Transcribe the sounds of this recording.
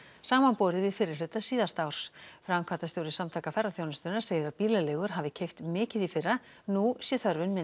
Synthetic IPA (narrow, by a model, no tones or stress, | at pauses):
saːmanpoːɾðɪvɪðfɪːɾɪɾ̥lʏɥt̪asiːðast̪awɾ̥sfɾamkʰvat̪ast̪jowɾɪsamt̪ʰaːkafɛɾaθjoːwnɪst̪ʏnḁseːjɪɾaðpiːlalɛːɣʏɾ̥ɦaːvɪcʰejft̪mɪːcɪðifɪrːa | nusjɛθœɾvʏnmɪ